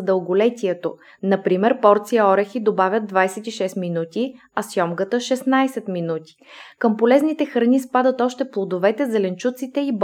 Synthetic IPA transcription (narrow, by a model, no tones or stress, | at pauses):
d̪əlˠɡolɛt̪ʲiɛt̪o | nɐpɾimɛɾpɔɾt̪sijəɔɾɛxid̪obavʲəd̪̚d̪vajsɛt̪iʃɛst̪minut̪ʲi | ɐsjɔmɡət̪əʃɛsnajsɛt̪minut̪i̥kəmpolɛznit̪ɛxɾɐnispad̪ət̪ɔʃt̪ɛplˠod̪ovɛt̪ɛzɛlɛnt͡ʃut̪sit̪ɛib